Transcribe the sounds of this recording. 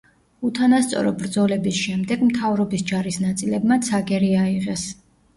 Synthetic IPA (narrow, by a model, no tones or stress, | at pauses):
ut̪ʰanast̪sʼɔ̰ɾɔbɾd̪zɔlɛbisʃɛmd̪ɛɡmt̪ʰavɾɔbisd͡ʒaɾisnat̪sʼilɛbmat̪sʰaɡɛɾiaiʁɛs